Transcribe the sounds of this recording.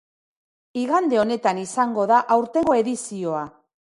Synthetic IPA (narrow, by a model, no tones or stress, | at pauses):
iɣand̪e̞o̞ne̞t̪anisaŋɡo̞ðaʔawɾt̪e̞ŋɡo̞e̞ðisio̞a